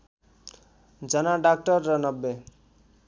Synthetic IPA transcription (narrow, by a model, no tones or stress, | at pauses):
d͡zʌnaɖak̚ʈʌrːʌnʌbːe